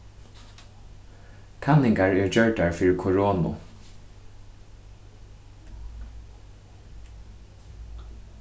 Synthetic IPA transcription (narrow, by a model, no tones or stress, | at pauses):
kʰanːɪŋkaɹɛɹd͡ʒœɹʈaɹfiːɹɪkʰɔɹoːnʊ̰